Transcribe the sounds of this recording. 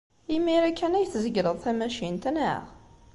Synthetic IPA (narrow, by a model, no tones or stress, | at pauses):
imiɾækːænæjθzəɡɾəðˤθæmæʃint̪nə̰ʁ